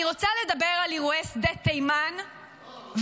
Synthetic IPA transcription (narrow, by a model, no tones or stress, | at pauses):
iʁo̞t͡saled̪abeʁaliʁwesd̪et̪ːejman | v